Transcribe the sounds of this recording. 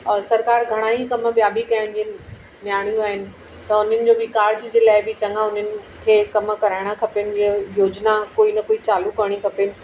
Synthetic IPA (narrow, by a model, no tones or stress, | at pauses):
sɐɾkaːɾɡʱɐɽ̃aɦikɐmɓijabʱikɐjənɪ̆d͡ʑi | njaːɽ̃jũaːɦɪnɪ̆ | t̪ɐʊn̤ənɪ̆d͡ʑoːbɪkaːɾd͡ʑd͡ʑeːlaːɪbɪt͡ɕɐ̃ŋɡaʊn̤ənɪ̆ | kʰeːkɐmkɐɾaːɪɽ̃akʰɐpʊnɪ̆əjoːd͡ʑnakoːinɐkoːit͡ɕaːlukɐɾɽ̃ikʰɐpɪnɪ̆